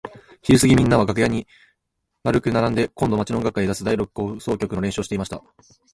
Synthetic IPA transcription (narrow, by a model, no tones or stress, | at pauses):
çiɾɯ̟sɨɡʲimʲĩnːaβaɡakɯ̟jaɲ̟i | maɾɯ̟kɯ̟naɾãnd̪e̞kõ̞nd̪o̞mat͡ɕino̞ɡakːaid̪asɨd̪aiɾo̞kɯ̥ko̞so̞ːkʲokɯ̟no̞ɾẽ̞ɕoːɕit̪e̞imaɕi̥t̪a